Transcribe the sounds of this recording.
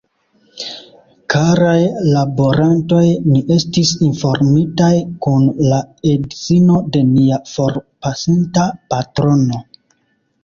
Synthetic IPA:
kaɾajlaboɾanto̞jniʔe̞stisinfo̞ɾmitajkunlae̞dzino̞de̞niafo̞ɾpasintapatɾo̞no̞

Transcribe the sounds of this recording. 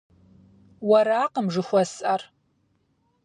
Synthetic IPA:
waɾaːqʼəmʐɨχʷasʼar

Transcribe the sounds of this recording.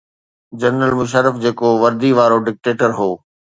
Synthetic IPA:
d͡ʑəɾnəlmʊʃ̬əɾːəfd͡ʑeːkoʋɐɾd̪iʋaːɾoɖɪk̚ʈeːʈəɾɦoː

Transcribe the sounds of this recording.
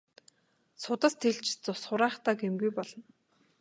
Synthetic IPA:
sʊt̪ə̆st̪ʰeɮt͡ɕt͡sʊsχʊɾaːχt̪aːɡemɡujpɔɮɞ̆n

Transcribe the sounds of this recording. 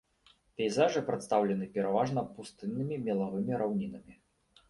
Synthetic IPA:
pʲɛjzaʐɨpɾɨt̪st̪awlʲɛn̪ɨpʲɛɾavaʐnɐpust̪ɨnːɨmʲimʲɛlˠavɨmʲiɾʔawnʲinɐmʲi

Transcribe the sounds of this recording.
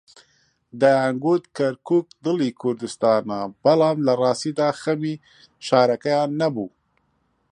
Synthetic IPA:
d̪ajaŋɡut̪kaɾkuk̚d̪əlikʰʊɾd̪ɪst̪ɑnabalamlaɾɑsid̪axami | ʃɑːɾakajɑnabu

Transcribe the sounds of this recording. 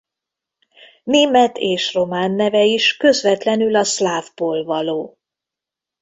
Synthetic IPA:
neːmɛt̪ʰeːʃro̞maːnːɛvɛiʃkøzvɛt̪lɛnylɒslaːvboːlvɒloː

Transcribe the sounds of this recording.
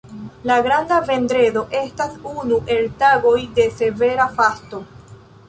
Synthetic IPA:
laɡɾandave̞ndɾe̞do̞ʔe̞stasunuʔe̞ltaɡo̞jde̞se̞ve̞ɾafasto̞

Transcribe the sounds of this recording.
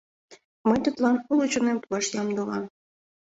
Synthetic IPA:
məjt̪ut̪lɑnulut͡ɕonemt̪uɑʃjɑmd̪olɑm

